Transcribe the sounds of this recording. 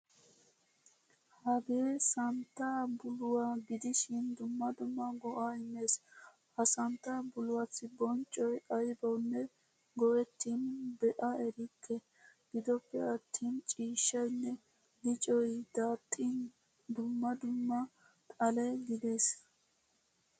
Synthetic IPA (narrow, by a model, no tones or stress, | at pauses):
hɐɡeːsɐnt̪ːabʊlʊwaːɡɪd̪ɪʃɪnd̪ʊmːɐd̪ʊmːɐɡɔʔaːɪmːe̞ːs | hɐsɐnt̪ːabʊlʊwaːsɪbɔnt͡ʃʼːɔjʔɐjbɐwnːɛ | ɡɔwɛt̪ːiːnbɛʔɐɛɾɪkːɛ | ɡ̥ɪd̪ɔpːɛɐt̪ʰːiːnt͡ʃʼiːʃːɐjnːɛ | ɡɪt͡ʃʼɔjd̪̥aːt̪ʼːin | d̪ʊmːɐd̪ʊmːɐ | t̪ʼɐlɛɡɪd̪e̞ːs